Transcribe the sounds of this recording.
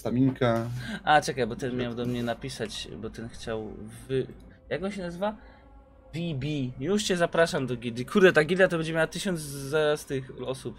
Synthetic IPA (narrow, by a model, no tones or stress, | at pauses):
t̪amʲiŋkʰaat͡ʂɛkajbɔt̪ɛnmʲjawd̪ɔmɲɛnapʲisat͡ɕbɔt̪ɛnxt͡ɕawvɘ | jakɡɔ̃w̃ɕɛnazɘva | vʲibʲijuʂt͡ɕɛzapɾaʂamd̪ɔɡʲid̪ikʰuɾd̪ɛt̪aɡʲid̪lat̪ɔbɛɲd͡ʑɛmʲjawat̪ɘɕɔnd̪zzaɾast̪ɪxɔsup